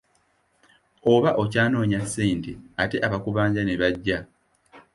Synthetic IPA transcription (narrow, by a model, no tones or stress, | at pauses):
o̞βaʔo̞caːno̞ːɲasːiːnteate̞ʔaβakuβaːɲɟaneβaɟːa